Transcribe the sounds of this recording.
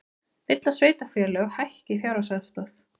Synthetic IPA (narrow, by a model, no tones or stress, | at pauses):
ɪjt̪lasveːjt̪afjɛlœɣhajhcɪfjaːwɾasɛðst̪aθ